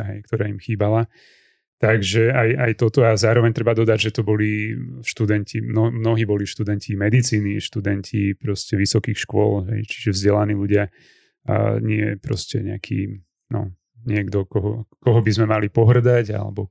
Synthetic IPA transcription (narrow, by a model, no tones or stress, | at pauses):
ɦɛjk̚t̪ɔɾaːimxiːbala | t̪aɡʒɛajajt̪ɔt̪ɔazaːɾɔʋɛɲt̪ɾɛbad̪ɔd̪aɟʒɛt̪ɔbɔliʃt̪ud̪ɛncʰimnɔmnɔɦiːbɔliʃt̪ud̪ɛncimɛd̪it͡siːniʃt̪ud̪ɛncʰipɾɔscɛʋisɔkiːxʃkʊɔlɦɛ̰jt͡ʃi̥ʒɛvzɟɛlaniːluɟɪa̰ | ɲɪɛpɾɔ̰scɛ̰ɲɛakʰḭː | nɔ̰ | ɲɪɛɡd̪ɔkɔɦɔ̰kɔɦɔbizmɛmalipɔɦr̩d̪aɟa̰lɛ̰bɔ